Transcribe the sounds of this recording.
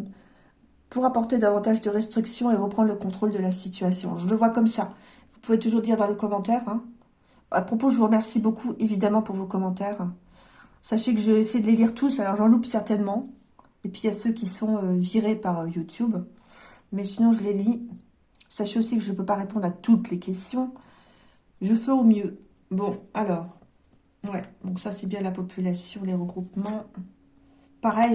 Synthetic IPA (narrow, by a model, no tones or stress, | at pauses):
puʁapɔʁt̪ed̪avɑ̃t̪aʒd̪əʁɛst̪χiksjɔ̃evupχɑ̃d̪ʁləkɔ̃t̪χold̪əlasit̪ɥasjɔ̰̃ʒələvwakɔmsa | vupuvet̪uʒuʁd̪iʁd̪ɑ̃ləkɔmɑ̃t̪ɛʁɛ̃ | apχɔpoʒəvuʁəmɛʁsibokʰuʔevid̪amɑ̃puʁvokɔmɑ̃t̪ɛʁ | saʃekəʒəesɛjd̪əleliʁt̪ʰusalɔʁʒɑ̃lupsɛʁt̪ɛnmɑ̃ | epɥiasøkʲisɔ̃øviʁepaʁøjut̪ʰjub | mɛsinɔ̃ʒəleli | saʃeosikəʒəpøpaʁepɔ̃d̪ʁat̪ut̪lekʲɛst̪jɔ̃ | ʒəfɛomjø | bɔ̃alɔːʁ | wɛd̪ɔ̃ksasɛbjɛ̃lapɔpʰylasjɔ̃leʁəɡʁupmɑ̃ | paʁɛj